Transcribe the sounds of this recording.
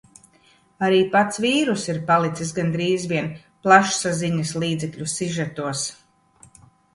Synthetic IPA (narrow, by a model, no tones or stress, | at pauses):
aɾiːpat̪sviːɾusiɾpalˠit̪sisɡand̪ɾiːzviɛn | plˠaʃsaziɲaslˠiːd̪zɛkʎʲusiʒat̪uɔs